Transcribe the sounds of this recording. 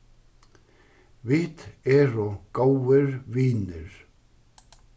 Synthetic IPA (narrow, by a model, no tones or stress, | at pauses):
vɪht̪ɛɾɔkoːwɪɾviːnʏɾ̥